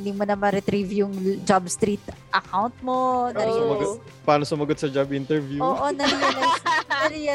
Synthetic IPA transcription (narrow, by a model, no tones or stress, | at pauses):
nd̪imonɐmɐɾɛt̪ɾivjʊŋd͡ʒabst̪ɾit̪ʔɐkawnt̪̚monɐɾimɐɡ̪ | paːnosʊmɐɡot̪sɐd͡ʒabʔint̪ɛɹvjuoːʔonɐɾijɐnɐjsnɐɾiɐ